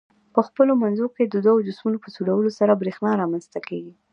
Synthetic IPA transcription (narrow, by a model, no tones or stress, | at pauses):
pəxpəlomanzoked̪əd̪wawod͡ʒʊsmunopəsuɽawəlosaɾabɾexnɑɾɑmanzt̪akeɡi